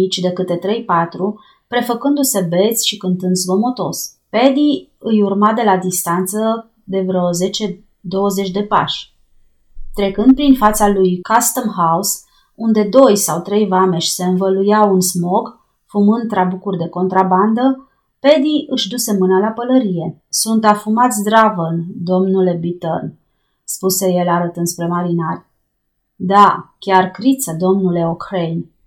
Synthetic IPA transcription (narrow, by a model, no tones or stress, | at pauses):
it͡ʃʲd̪e̞kɨt̪e̞t̪ɾe̞jpat̪ɾu | pɾe̞fəkɨnd̪use̞be̞t̪sʲʃikɨnt̪ɨnd̪zvo̞mo̞t̪o̞s | pe̞d̪iɨjurmad̪e̞lad̪ist̪ant̪sə | d̪e̞vɾeoze̞t͡ʃe̞ | d̪o̞wəze̞t͡ʃʲd̪e̞pa̰ʃʲ | t̪ɾe̞kɨnd̪̚pɾinfat̪salujkast̪əmhaus | und̪e̞d̪o̞jsawt̪ɾe̞jvame̞ʃʲse̞ɨnvəlujawunsmo̞ɡ | fumɨnd̪̚t̪ːɾabukurʲd̪e̞ko̞nt̪ɾaband̪ə | pe̞d̪iʔɨʃd̪use̞mɨnəlapələɾije̞sunt̪afumat̪sʲd̪ɾavəld̪o̞mnule̞bit̪ərn | spuse̞je̞laɾət̪ɨnd̪spɾe̞maɾinarʲ | d̪akʲarkɾit̪səd̪o̞mnule̞okɾejn